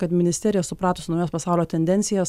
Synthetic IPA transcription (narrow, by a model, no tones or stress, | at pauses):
kɐt̪mʲɪnʲɪsʲt̪ʲæːɾʲɪjɛsʊpɾɑːt̪oːsʲʊnoʊjoːspɐsɑˑʊlʲoːt̪ʲɛnʲd̪ʲɛnʲtsʲɪjɛːs